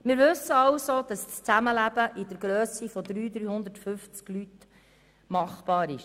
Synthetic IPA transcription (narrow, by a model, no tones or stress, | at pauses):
mɪɾʋɵsːəɑwsod̥ɑsst͡sæməlæb̥əʔɪd̥əɾɡɾøːsifɔd̪ɾyːd̪ɾyːhʊnd̪ətfʏft͡sklyt̪ | mɑχb̥ɑːɾɪʃ